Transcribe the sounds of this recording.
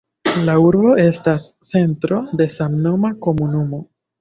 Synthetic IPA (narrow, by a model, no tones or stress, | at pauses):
lauɾbo̞ʔe̞stast͡se̞ntɾo̞de̞samno̞mako̞munumo̞